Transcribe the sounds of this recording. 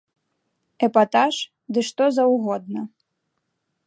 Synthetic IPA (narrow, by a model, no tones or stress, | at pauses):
ɛpat̪aʂ | d̪ɨʂt̪ɔzɐwɣɔd̪̚nɐ